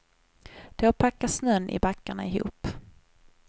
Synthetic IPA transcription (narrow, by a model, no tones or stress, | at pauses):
d̪̥ɛapʰakːasnœnːʔɪ̰bakːaɳaɪɦṵːp